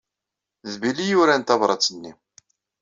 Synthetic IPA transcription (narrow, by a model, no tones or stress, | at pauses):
ðbilːijʊɾænt̪ɑvɾˤɑt͡sːənːi